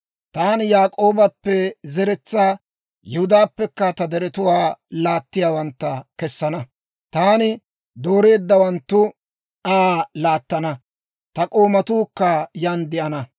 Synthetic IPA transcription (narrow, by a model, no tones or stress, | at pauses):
t̪aːnjaːkʼo̞ːbɐpːɛzɛɾɛt͡sːaː | jɛhʊd̪aːpːɛkːɐt̪ɐd̪ɛɾɛt̪ʊwaːlaːt̪ːɪjaːwɐnt̪ːɐkɛsːɐnɐ | t̪aːnɪ | d̪o̞ːɾe̞ːd̪ːɐwɐnt̪ːʊ | aːlaːt̪ːɐnɐ | t̪ɐkʼo̞ːmɐt̪uːkːɐjɐnd̪ɪʔɐnɐ